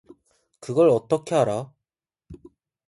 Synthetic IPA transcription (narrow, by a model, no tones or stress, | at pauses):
kɯɡʌɭʌt͈ʌkʰe̞ɦaɾa